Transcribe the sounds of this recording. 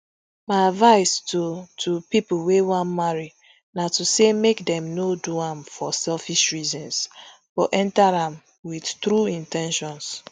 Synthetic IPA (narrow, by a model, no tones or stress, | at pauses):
maɪavaɪstotʰupipuwewãnmaɹi | natusemekdɛ̃mnoduãmfɔsɛlfiʃɹizɔ̃ns | fɔʔɛ̃ntaɹãm | widtɾuĩntɛ̃nʃɔ̃ns